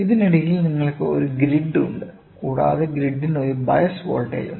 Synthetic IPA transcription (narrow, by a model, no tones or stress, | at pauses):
iðiniɽɐjilniŋːɐɭkːeo̰ɾuɡɾiɖːṵɳɖɨ | kuːɽa̰ːðeɡɾiɖːinoɾubɐjɐsʋoːlʈːḛːjṵ